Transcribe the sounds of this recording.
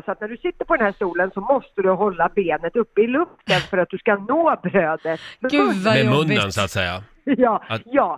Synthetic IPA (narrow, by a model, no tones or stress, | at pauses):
sɔat̪næɖɵsɪt̪ːəɾpʰɔd̪ɛnhæːʂt̪uːlənsɔmɔst̪əd̪ɵɦɔlːabeːnət̪ɵpːɪlɵft̪ənfœɾat̪̚d̪ɵskanoːbɾøːd̪ət̪mɛmɵnənsaːt̪sɛ̰jːa̰ | jɑːjɑː